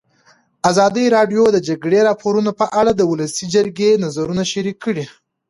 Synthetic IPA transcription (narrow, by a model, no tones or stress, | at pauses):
azɑd̪əjɾɑɖjod̪əd͡ʒaɡɽeɾɑpoɾunopəʔaɽad̪əwʊləsid͡ʒəɾɡenazaɾunaʃaɾikːəɽi